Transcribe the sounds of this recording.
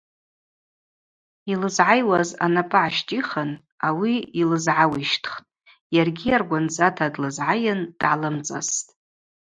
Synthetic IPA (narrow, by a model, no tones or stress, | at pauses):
ilɨzʕajwaza̰napʼaʕaʃtʼiχən | awiilɨzʕawiʃtʰχtʼ | jarɡʲiarɡʷand͡zatʰadlɨzʕajand̥ʕalɨmt͡sʼa̰stʼ